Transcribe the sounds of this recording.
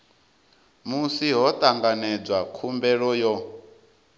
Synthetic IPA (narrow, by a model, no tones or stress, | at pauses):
musiɦɔt̪ʼaŋɡanɛd͡zwakʰumbɛɺɔjɔ